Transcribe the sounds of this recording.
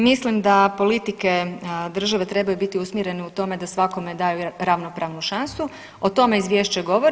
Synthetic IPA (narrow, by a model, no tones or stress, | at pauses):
mislimd̪apo̞lit̪ike̞d̪r̩ʒaʋe̞t̪ɾe̞bajubit̪iusmʲjeɾe̞neut̪o̞me̞d̪asʋako̞me̞d̪ajuɾaʋno̞pɾaːʋnuʃansu | o̞t̪o̞me̞izʋjeːʃt͡ɕeɡo̞ʋoɾ